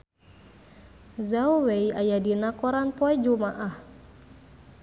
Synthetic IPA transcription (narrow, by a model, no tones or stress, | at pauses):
zawweiajadinakɔɾanpɔɛd͡ʒumaʔah